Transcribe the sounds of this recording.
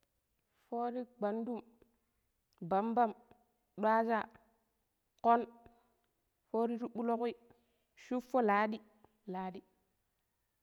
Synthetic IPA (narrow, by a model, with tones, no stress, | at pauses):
fo˦ɾi˦ɡ͡ba˨ndu˦˨m | ba˨mba˦˨m | ɗa˦d͡ʒa˦˨ | ko˦n | fo˦ɾi˦ɾu˦ɓu˦lo˦ki˦ | ʃu˦fːo˦laː˨˦ɗi˦ | la˨˦ɗi˦